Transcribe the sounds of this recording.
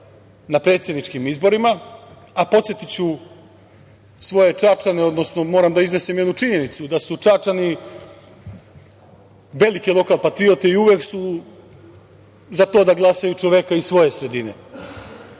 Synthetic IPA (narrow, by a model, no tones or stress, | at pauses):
napɾet̪sje̞d̪nit͡ʂkimizbo̞ɾima | apo̞t̪set̪it͡ɕu | sʋo̞je̞t͡ʂat͡ʃaneo̞d̪no̞snomo̞ːɾamd̪aizne̞semjed̪nut͡ʂiɲe̞nit̪sud̪asut͡ʂat͡ʃani | ʋe̞like̞lˠo̞kalˠpat̪ɾio̞t̪eiuʋeksu | zat̪o̞ːd̪aɡlˠasajut͡ʃoʋe̞kaisʋo̞je̞sɾe̞d̪ine̞̰